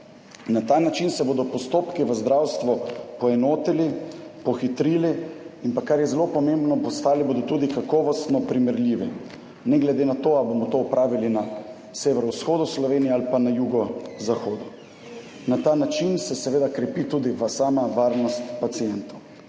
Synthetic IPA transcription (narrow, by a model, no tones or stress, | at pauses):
nat̪aːnat͡ʃinsɛboːd̪ɔpɔst̪oːpkiʋəzd̪ɾawst̪ʋɔpɔɛnoːt̪ilipɔxit̪ɾiːliimpakːaɾjɛzɛlopɔmembnɔpɔst̪aːlibod̪ɔt̪uːd̪ikakɔʋɔst̪nɔpɾimɛɾliʋɛ | nɛɡlɛd̪enat̪oːabomɔt̪oːɔpɾʔaːʋilina | seʋɛɾɔwsxoːd̪uslɔʋeːnijɛalipanajuɡɔzaxoːd̪u | nat̪aːnat͡ʃinsɛsɛʋeːd̪akɾɛpit̪uːd̪iʋəsaːmaʋaːɾnɔst̪pat̪sijɛnt̪ow